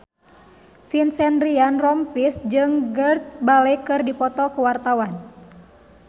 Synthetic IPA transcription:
finsɛnrianrɔmpisd͡ʒɨŋɡərt̪̚balɛjkɨrdipɔt̪ɔkuwart̪awan

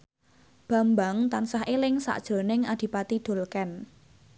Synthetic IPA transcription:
b̥ä̤mbaŋt̪ansaɦʔelɪŋsa̰ʔd̥ʒ̥o̤nɪŋad̪̥i̤pat̪id̪̥o̤lkɛn

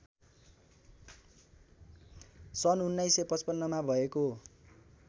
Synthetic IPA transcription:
sʌnunːajsepʌt͡spʌnːʌmabʱʌeko

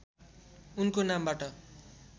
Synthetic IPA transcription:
unkonambaʈʌ

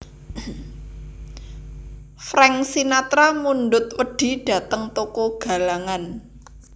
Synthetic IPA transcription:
fɾɛŋsinat̪ɾamunɖʊt̪̚wəɖ̥i̤d̥ä̤t̪əŋt̪okoɡ̥a̤laŋan

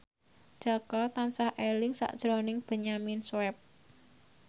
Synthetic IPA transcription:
d̥ʒ̥a̤kɔt̪ansahʔelɪŋsa̰ʔd̥ʒ̥ɾɔnɪŋb̥ə̤ɲaminswɛp̚

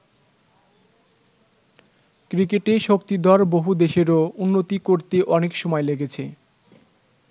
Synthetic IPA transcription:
kɾikeʈeʃokt̪id̪ʱɔɾboɦud̪eʃeɾounːot̪ikoɾt̪eʔɔnekʃɔmɔeleɡet͡ɕʰe

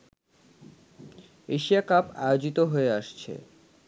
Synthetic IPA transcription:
eʃijakapa̰eod͡ʑit̪oɦoeaʃt͡ɕʰḛ

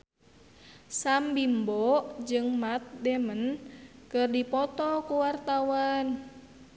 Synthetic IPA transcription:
sambimbɔd͡ʒɨŋmat̪̚dɛmənkɨrdipɔt̪ɔkuwart̪awan

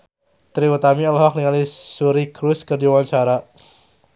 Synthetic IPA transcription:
t̪ɾiwət̪amiɔlɔɦɔkliŋalisuɾikɾuskərd͡ʒiwant͡ʃaɾa

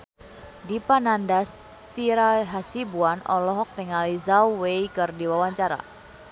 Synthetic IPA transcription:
dipanandas | t̪iɾaɦasibuanɔ̰lɔɦɔk̚t̪eŋalizawwejkərdiwawaɲt͡ʃaɾa̰

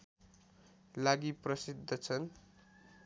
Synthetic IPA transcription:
laɡiprʌsid̪ʱːʌt͡sʰʌn

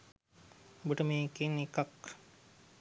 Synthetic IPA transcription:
buʈəmeːkenikak

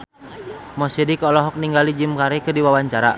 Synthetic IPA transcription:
mɔsidikɔlɔɦɔk̚niŋɡalid͡ʒimkaɾɛkɨrdiwawaɲt͡ʃaɾa̰

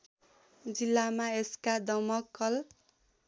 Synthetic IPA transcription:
d͡zilːamaeskad̪ʌmʌkːʌl

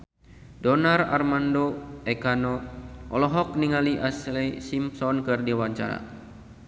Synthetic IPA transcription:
dɔnara̰rmandoɛkanɔʔɔlɔɦɔk̚niŋaliʔaslɛsimsɔnkɨrdiwaɲt͡ʃa̰ɾa̰

